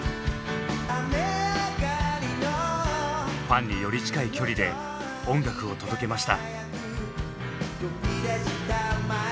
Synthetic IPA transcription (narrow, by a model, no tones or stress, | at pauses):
ameɡaino | ɸãɲ̟ʲːijo̞ɾʲit͡ɕi̥kaikʲo̞ɾʲid̪e̞ | õ̞ŋɡakɯ̟o̞t̪o̞d̪o̞ke̞maɕi̥t̪a̰jakɯ | joiɾaɕit̪ama